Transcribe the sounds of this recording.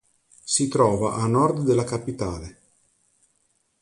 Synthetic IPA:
sit̪ɾɔːvaʔanɔrd̪d̪elːakapit̪aːle

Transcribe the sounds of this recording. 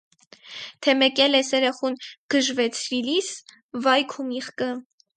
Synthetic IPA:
t̪ʰɛmɛkɛlɛsɛɾɛχunɡ̥əʒvɛt͡sʰvilis | vɑjkʰumiχkə

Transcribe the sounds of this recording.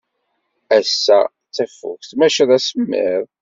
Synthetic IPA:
æsːæ | t͡sːæfṵçθmæʃəðˤæsəmːɪ̰ɾˤ

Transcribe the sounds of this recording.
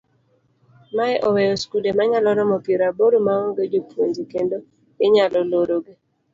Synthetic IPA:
maɛʔɔwɛjɔskudemaɲalɔɾɔmɔpiɾaboɾomawɔŋɡed͡ʒopwoɲd͡ʒikendo | ɪɲalɔloɾoɡe

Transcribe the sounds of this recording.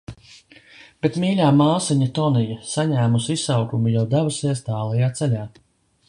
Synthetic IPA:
b̥et̪miːʎʲaːmaːsiɲat̪ɔnijɐsaɲæːmusisawkumujawd̪abusiɛst̪aːlˠɛjaːt̪sɛlʲaː

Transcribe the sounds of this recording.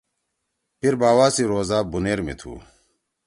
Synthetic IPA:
piɾbaːwaːsiɾoːzaːbuneːɾmḭt̪ʰṵː

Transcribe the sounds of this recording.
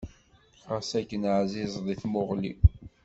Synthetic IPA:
əsækːənʕzizˤðˤiθmʊʁlḭ

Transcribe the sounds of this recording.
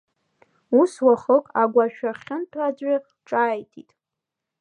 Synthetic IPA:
uswaχəkʼaɡʷaʃᶣaχʲɪntʰad͡ʑʷa | ʈ͡ʂʼaːjtʰḭtʼ

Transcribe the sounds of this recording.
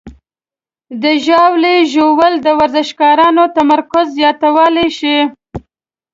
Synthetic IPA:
d̪əʒɑwleʒowəld̪əwaɾzɪʃkɑɾɑnot̪amaɾkʊzːjɑt̪awəleʃi

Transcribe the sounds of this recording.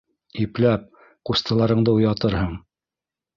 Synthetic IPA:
iplæp̚ | qust̪ɤ̆lˠɑɾɤ̆ɴd̪ɤujɑt̪ɤɾɦɤɴ

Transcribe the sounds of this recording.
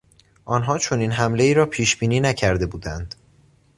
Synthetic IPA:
ʔɒːnɦɒːt͡ʃʰo̞niːnɦæmle̞iːɾɒːpʰiːʃb̥iːniːnæcʰæɾd̪e̞buːd̪ænd̪̥

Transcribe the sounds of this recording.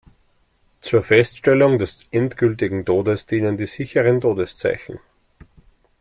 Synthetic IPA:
t͡suːɐfɛstʃtɛlʊŋdɛsʔɛntɡ̥ʏlt̬ɪɡŋ̩tʰoːdəsd̥iːnəndiːzɪçəʁəntʰoːdəst͡sa̰ɪçn̩

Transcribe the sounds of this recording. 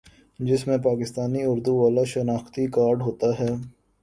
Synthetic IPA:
d͡ʒɪsmẽpaːkɪst̪aːniʊɾd̪uʋaːlaʃɐnaːxt̪ikaːɾɖɦoːt̪aɦɛː

